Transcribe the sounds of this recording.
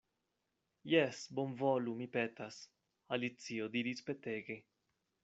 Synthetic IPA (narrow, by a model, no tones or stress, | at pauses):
jɛsbonvolumipet̪as | alit̪siod̪iɾispet̪eɡi